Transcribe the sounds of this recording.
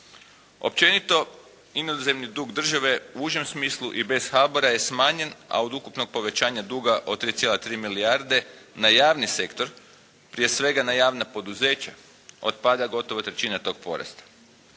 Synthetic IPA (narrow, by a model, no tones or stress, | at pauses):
o̞̰pt͡ɕe̞nit̪o̞ | inoze̞mnid̪uːɡd̪r̩ʒaʋe̞uuʒemsmiːslˠuʔibe̞sxaboɾaje̞smaːɲe̞na̰od̪ukupnoɡ̚po̞ʋe̞t͡ɕaːɲad̪uːɡaʔot̪ɾiːt̪sjelˠat̪ɾiːmiliaɾd̪e̞najaːʋnise̞kt̪o̞ɾ | pɾije̞sʋe̞ɡanajaːʋnapo̞d̪uze̞ːt͡ɕa | o̰t̪pad̪aɡo̞t̪o̞ʋot̪ɾe̞t͡ɕiːnat̪o̞ːɡ̥̚po̞̰ɾa̰st̪ḁ